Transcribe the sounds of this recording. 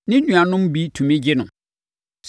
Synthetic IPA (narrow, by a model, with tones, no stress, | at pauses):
nɪ̃˦nũ˨a˨nʊ̃˦mbi˦tʰũ˨mĩ˦d͡ʑɪ˦nʊ̰̃˨ | s